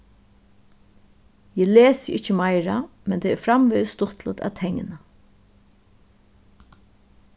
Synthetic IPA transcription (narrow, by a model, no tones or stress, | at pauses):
jɛːleːsjʔɪht͡ʃəmajɾamɛnt̪ʰɛːɛɾfɾamʋɪːðst̪ʊht̪lə̰t̪æ̰t̪ʰɛŋːɪ̰na